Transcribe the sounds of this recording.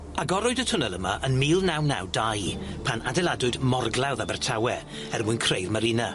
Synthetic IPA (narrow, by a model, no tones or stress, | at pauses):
aɡɔɾʊɨdətʰʊnəlˠəmaʔənmiːlˠnawna̰wdajpʰanadɛlˠadʊɨdmɔrɡlˠawðabɛrtʰawɛ | ɛrmʊnkʰrejrməɾɪna